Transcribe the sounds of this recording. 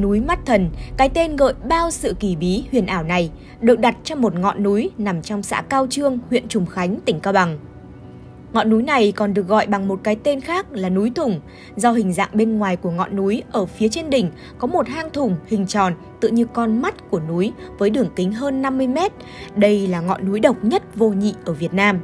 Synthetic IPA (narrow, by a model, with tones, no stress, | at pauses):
nu˨˦jma˦˥t̚t̪ʰə˨˩nkaː˨˦jt̪e˧nɣə̰ː˧˨jɓaː˧wsɨ̰˧˨ki˧˩ɓi˨˦hwḭ˧˨ənʔaː˧˩wna˨˩j | ɗɨ˨˩ək̚ɗa˨˩t̚t͡ɕɔ˧mo˨˩t̚ŋɔ̰˧˨nːu˨˦jna˨˩mt͡ɕɔ˧wŋ͡msa̰ː˧˥kaː˧wt͡ɕɨ˧əŋhwḭ˧˨ənt͡ɕʊ˨˩ŋ͡mxa˨˦jŋ̟t̪ï˧˩ŋ̟kaː˧wɓa˨˩ŋ | ŋɔ̰˧˨nːu˨˦jna˨˩jkɔ˨˩nɗɨ˨˩ək̚ɣɔ̰˧˨jɓa˨˩ŋmo˨˩t̚kaː˨˦jt̪e˧nxaː˦˥k̚laː˨˩nu˨˦jt̪ʰʊ˨˩ŋ͡m | zɔ˧ɦï˨˩ŋ̟za̰ː˧˨ŋɓe˧nŋwaː˨˩jku˧˩əŋɔ̰˧˨nːu˨˦jʔəː˧˩fi˨˦ət͡ɕe˧nɗï˨˩ŋ̟ | kɔ˨˦mo˨˩t̚haː˧ŋt̪ʰʊ˨˩ŋ͡mhï˨˩ŋ̟t͡ɕɔ˨˩nt̪ɨ̰˧˨ɲɨ˧kɔ˧nma˦˥t̚ku˧˩ənu˨˦jvəː˨˦jɗɨ˨˩əŋkï˨˦ŋ̟ɦəː˧nːa˧mːɨ˧əjmɛ˦˥t̚ | ɗə˧jlaː˨˩ŋɔ̰˧˨nːu˨˦jɗə˨˩wk͡p̚ɲə˦˥t̚vo˧ɲḭ˧˨ʔəː˧˩vi˨˩ət̚naː˧m